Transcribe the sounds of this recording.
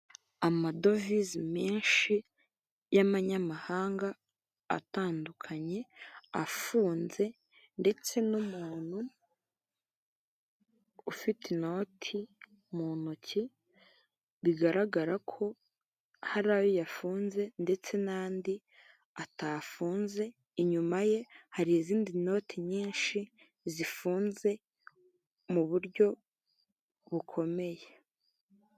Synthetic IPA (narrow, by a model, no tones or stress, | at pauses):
amado̞vizimeːnʃi | jamaɲamahaːŋɡa̰ː | taːndukʰaɲe̞a̰fuːnze̞ | nde̞t͡se̞numuːn̥hu | fitino̞tʰi | munoci | βiɡaɾaɡaɾakʰo̞ | haɾaːjojafuːnze̞nde̞t͡se̞naːndi | ataːfuːnze̞ | iɲumaje̞haɾiiziːndino̞ːtʰiɲiːnʃi | zifuːnze̞ | muβuɾɟo̞ | βukʰo̞me̞je̞